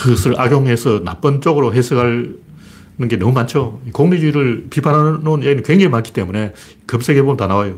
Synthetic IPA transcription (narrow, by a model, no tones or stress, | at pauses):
kɯɡʌsʰɯɭaɡjoŋɦesʰʌnap͈ʌnt͡ɕ͈oɡɯɾoɦesʰɯɡaɭ | nɯnɡe̞nʌmumant͡ɕʰjoikoŋnid͡ʑuiɾɯɭpipʰanɦanonjaɡinɯkweŋd͡ʑeŋimank͈i̥t͈e̞mune̞ | kɯmsʰeɡebomɯntanawajo